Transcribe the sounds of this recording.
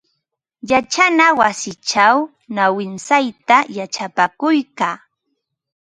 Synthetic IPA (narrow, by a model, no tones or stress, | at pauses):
jat͡ʃanawasɪt͡ʃaw | nawɪnsajt̪ajat͡ʃapakʊjkaː